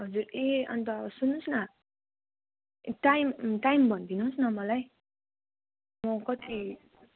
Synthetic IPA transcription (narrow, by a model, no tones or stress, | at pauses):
ɦʌd͡zureʌ̰nt̪ʌsunːũsnʌ | ʈajmʈaimbʱʌnd̪inũnsnʌmʌlaj | mʌkʌt̪ʰi